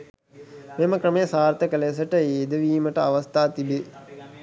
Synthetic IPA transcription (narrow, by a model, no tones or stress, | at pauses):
memɐkɾɐmejsaːɾt̪ɐkɐleːs̬ɐʈəeːd̪ɐʋiːmɐʈɐɐʋɐst̪ʰaːt̪ibe